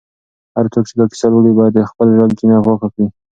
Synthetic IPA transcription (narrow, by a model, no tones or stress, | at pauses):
haɾt͡sokt͡ʃed̪akɪ̥saləɽibɑjad̪əxpəlʒaɡd͡ʒinaɣwaxakɽi